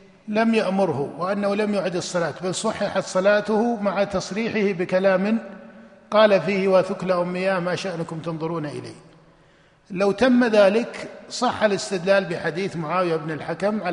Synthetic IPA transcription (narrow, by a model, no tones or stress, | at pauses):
lamjaʔmʊɾhʊwɪʔanːahulamjʊːʕɪd̪ɨsˤːɑlaːt̪balsˤɑħːɑħat̪sˤɑlɑːt̪ʊhʊmaʕat̪ɑsˤɾiːħɪhɪbɪkalaːmɪnqɑːlafiːhwaθʊklaʔʊmːɪjaːhmaːʃaʔnʊkʊmt̪ɑnðˤʊɾuːnaʔɪ̰la̰ː | lawt̪amːaðaːlɪksˤɑħːalɪst̪ɪd̪laːlbɪħad̪iːθmʊʕaːwjabnɪlħakamʕa